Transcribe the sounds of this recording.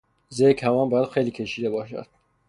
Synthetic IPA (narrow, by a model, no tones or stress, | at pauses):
zekʰhævɒːmbɒːjæd̪xejliːkʰeʃiːd̪ebɒːʃæ̰d̪̥̚